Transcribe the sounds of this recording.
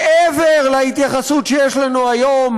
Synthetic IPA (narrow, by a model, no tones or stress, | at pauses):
ʔeveʁlait̪jaχasut̪ʃejeʃlanuajo̞m